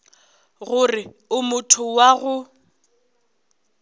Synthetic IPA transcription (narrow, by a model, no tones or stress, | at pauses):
ɣʊrɪ | ʊmʊtʰʊwaɣʊ